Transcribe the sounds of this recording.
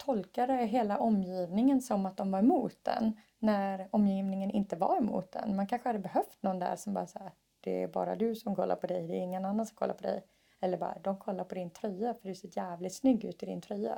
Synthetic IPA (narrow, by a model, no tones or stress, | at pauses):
t̪ʰɔlkaɾəæɦeːlaʔɔmːjiːvnɪŋənsɔmːat̪̚d̪ɔmvaɾɛmuːt̪̚d̪ɛ̰nː | æɾɔmːjiːvnɪŋənɪnt̪əva̰ɾɛmṵːt̪̚d̪ɛ̰nmɛankʰanɧəhad̪ːəbɛɦœft̪nɔnːd̪æ̰ɾʂɔmbɑːɾasaːɾ | d̪̥ɛæ̰ɾbɑ̰ːɾa̰d̪ɵsɔmkʰɔ̰lːa̰ɾpʰɔd̪ɛjd̪ɛɪŋːənanːansɔkʰɔ̰lːa̰pʰɔd̪ɛ̰j | ɛlːəɾbɑ̰ːɾad̪ɔmkʰɔlːaɾpʰɔd̪ɪnt̪ʰɾœjːafœɖɵseːɾjæːvlɪt̪snʏɡːʉ̟ːt̪ɪd̪ɪ̰nt̪ʰɾyjːa̰